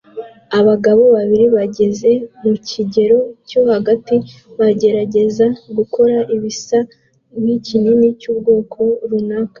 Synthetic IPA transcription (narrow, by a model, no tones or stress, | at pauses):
aβaɡaβo̞βaβiɾiβaɟe̞ze̞muciɟe̞ɾo̞co̞haɡati | βaɟe̞ɾaɟe̞zaɡuko̞ɾaʔiβisa | micininicuːb̚ɡo̞ːkʰo̞ɾunakḁ